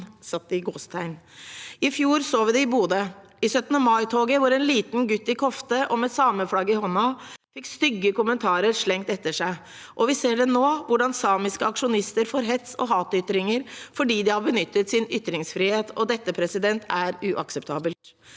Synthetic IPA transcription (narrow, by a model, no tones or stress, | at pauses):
sɑt̪̚d̪ɪɡoːst̪ʰæɪn | ɪfjuːɾsoːʋɪd̪ɛɪbuːd̪ə | ɪsœt̪nəmɑɪt̪ʰoːɡəʋʊɾɛnliːt̪n̩ɡʉt̪ːɪkʰɔft̪əʔɔmɛsɑːməflɑɡːəɪhɔnɑfɪkːst̪ʏɡːəkʊmənt̪ʰɑːɾəɾʂɭɛŋt̪ɛt̪ːəʂæɪ | ʔɔʋɪseːɖɛnoːʋʊɖɑnsɑːmɪskəɑkʂʊnɪst̪əɾfɔːɾɦɛt̪sɔ̰ɦɑːt̪ʏt̪ːɾɪŋəɾfɔɖiːd̪ɪhɑɾbənʏt̪ːət̪sɪnʏt̪ːɾɪŋsfɾiːheːt̪ʰɔd̪ɛt̪ːəpʰɾɛsɪd̪ɛnt̪ʰæɾʉʔɑ̰ksɛpt̪ʰɑːbəlt̪